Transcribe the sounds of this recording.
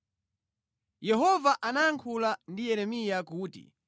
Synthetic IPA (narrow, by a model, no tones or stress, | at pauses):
jɛɦɔvaʔanajaŋkʰulandijɛɾɛmijakuːtḭ